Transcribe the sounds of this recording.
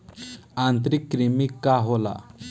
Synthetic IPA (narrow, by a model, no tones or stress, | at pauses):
ãnt̪ɾikːɾimikːaɦola̰